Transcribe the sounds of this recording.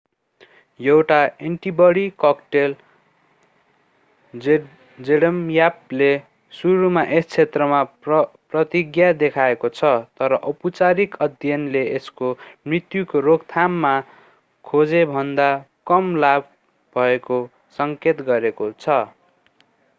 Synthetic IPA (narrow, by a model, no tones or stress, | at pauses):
jewʈaeɳʈibʌɽikʌkʈel | d͡zeɽʌmjap̚le | suɾumaʔest͡sʰet̪rʌmaprʌt̪iɡjad̪ekʰaekot͡sʰʌt̪ʌɾʌʔʌput͡saɾikʌd̪ʱjʌnleeskomrit̪jukoɾoɡt̪ʰamːa | kʰod͡zebʱʌnd̪a | kʌmlab | bʱʌeko | sʌŋket̪ɡʌɾekot͡sʰʌ